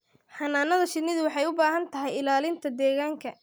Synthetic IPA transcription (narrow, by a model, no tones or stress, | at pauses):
ħɑnaːnɐðɐʃɪd̪nːɪðʊwɑħɑjʊbaːɦɐnt̪ʰɐɦɛjɪlaːlɪnt̪ʰɐd̪ɛːɣaːŋkʰɐ